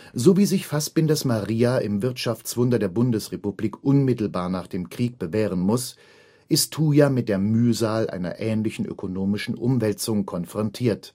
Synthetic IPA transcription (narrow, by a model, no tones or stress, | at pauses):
zoːviːzɪçfast̚b̥ɪndasmaʁiːaʔɪmvɪɐtʃaft͡sv̥ʊndɐdeːɐbʊndəsʁepubliːkʔʊnmɪtl̩baːɐnaːχd̥eːmkʁ̥iːk̚b̥əveːʁ̞ənmʊs | ʔɪstʰːuːjamɪt̚d̥eːɐmyːzaːlʔa̰ɪnɐ̰ʔɛːnlɪçn̩ʔø̰kʰonoːmɪʃn̩ʔʊmvɛlt͡sʊŋkʰɔnfʁ̥ɔntʰiːɐt